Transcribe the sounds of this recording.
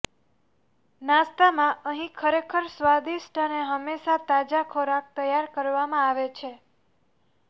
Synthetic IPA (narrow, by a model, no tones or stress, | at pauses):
nãst̪amãʔəɦĩkʰəɾekʰəɾsʋad̪isʈʰəneɦəmːeʃat̪ad͡ʒakʰoɾak̚t̪əjaɾkəɾʋamãaʋet͡ʃʰe